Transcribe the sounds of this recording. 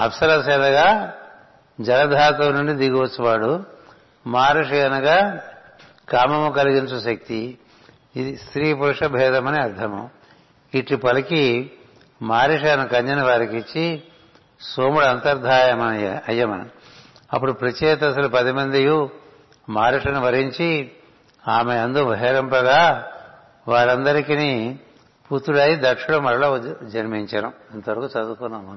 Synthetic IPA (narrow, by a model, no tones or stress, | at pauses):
ɐ̰psɐɾɐsɐːnɐɡaː | d͡ʒɐlɐd̪ʱaːt̪oːnuɳɖid̪iɡiʋɐt͡ʃːuʋaːɽu | maːɾiʂɐjɐnɐɡaː | kaːmɐmukɐliɡint͡ʃuʃɐk̚t̪i | id̪ist̪ɾiːpuɾʂɐbʱɛːd̪ɐmɐniɐɾd̪ʱɐmɐ̰ | iʈlipɐlɐki | maːɾiʂ̬ɐɐnɐkɐɲd͡ʒɐnɐʋaːɾikit͡ʃːi | soːmuɽɐnt̪ɐɾd̪ʱaːjɐmɐnɐɐjːɐmɐnɐ̰ | ɐpːuɽupɾɐt͡ʃeːt̪ɐs̬ɐlupɐd̪imɐnd̪iju | maːɾiʂɐnuʋɐɾiɲt͡ʃi | aːmeɐnd̪obʱɐɦeɾɐmpɐɡaː | ʋaːɾɐnd̪ɐɾikini | puɾt̪uɽaːjid̪ɐkʂuɽɐmɐɾɐlɐd͡ʒɐɾmiɲt͡ʃɐnɐ | ɐnt̪ɐʋɐɾɐkut͡ʃɐd̪ukunːaːmund̪i